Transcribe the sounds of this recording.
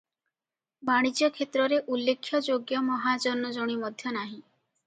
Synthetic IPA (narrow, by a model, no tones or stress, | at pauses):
baɽ̃id͡ʒjɔkʰet̪ɾɔɾeʔulːekʰːjɔd͡ʒoɡjɔmɔɦad͡ʒɔnɔd͡ʒɔɽ̃imɔd̪ʱjɔnaɦĩ